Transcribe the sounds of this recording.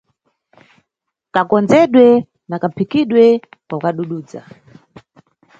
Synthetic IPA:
kakɔnd͡zɛɗwɛ | nakapʰikiɗwɛpakaɗuɗuːd͡za̰

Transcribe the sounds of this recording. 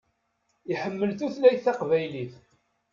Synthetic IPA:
iħəmːəlθuθlæjθɑqvæjliθ

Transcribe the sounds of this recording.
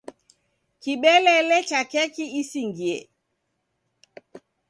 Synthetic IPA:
kiɓɛlɛlɛt͡ʃakɛkiisiŋɡiɛ̰

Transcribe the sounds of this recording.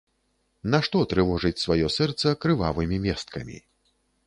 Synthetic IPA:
naʂt̪ɔt̪ɾɨvɔʐɨt͡sʲsvajɔsɛrt̪sɐkɾɨva̰vɨmʲimʲɛst̪̚kɐmʲḭ

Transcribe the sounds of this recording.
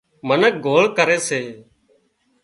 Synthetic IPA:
mənək̚ɡʱoːɭkəɾeːseː

